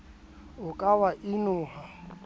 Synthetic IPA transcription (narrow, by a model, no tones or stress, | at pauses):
ʊkʼawaʔɪnʊːɦa